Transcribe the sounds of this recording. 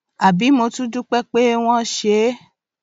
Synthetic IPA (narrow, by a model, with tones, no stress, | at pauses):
a˨bi˨˦mo˧tũ˦du˦k͡pɛ˦k͡pe˦w̃ɔ̃˦ʃe˨˦